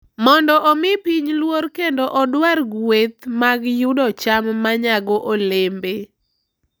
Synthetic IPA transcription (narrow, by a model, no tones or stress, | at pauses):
mɔndɔʔomɪpiɲlwoɾkendoʔɔdwarɡwet̪maɡjʊdɔt͡ʃamːaɲaɡɔʔolembe